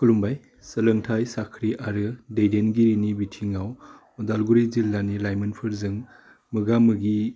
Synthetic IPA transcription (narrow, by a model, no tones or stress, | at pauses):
kʰulumbaj | səlɯŋtʰajsakʰɾiʔaɾɯdejdenɡiɾinibitʰiŋaw | ɔdalɡuɾizilːanilajmɯnpʰɯɾzɯŋ | mɯɡamɯɡi